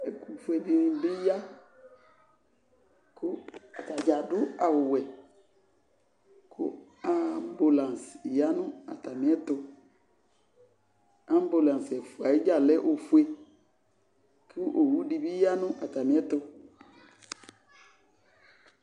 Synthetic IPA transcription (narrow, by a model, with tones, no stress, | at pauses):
ɛ˨ku˨fu˦e˨bi˦bɪ˦ja˦ | kʊ˦˨ta˨d͡ʒa˨dʊ˦a˨wʊ˨wɛ˨ | kʰʊ̰˦ | a˦m˦bu˨lã˨n˨sja˦nʊ̃˦a̰˨ta˨mi˦ɛ˦tʊ˦ | a˦m˦bu˨lã˨n˨sɛ˨fu˨a˨ɪ˦d͡ʒa˦˨lɛ˦ʔo˨fu˦e˦ | kʰi˦ʔo˨wu˦di˦bi˦ja˦nʊ̃˦ʔa˨ta˨mĩ˨˦ɛ˦tʊ˦